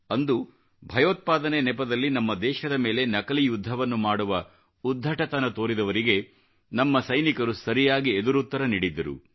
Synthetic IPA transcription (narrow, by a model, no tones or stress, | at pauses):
ɐnd̪u | bʱɐjoːt̪̚paːd̪ɐnenɛpɐd̪ɐlːinɐmːɐd̪ɛːʃɐd̪ɐme̞ːle̞nɐkɐlijud̪ʱːɐʋɐnːumaːɽuʋɐ | ud̪ʱːɐʈɐt̪ɐnɐt̪o̞ːɾid̪ɐʋɐɾiɡe | nɐmːɐsɐjnikɐɾusɐɾijaːɡied̪uɾut̪ːɐɾɐniːɽid̪ːɐɾṵ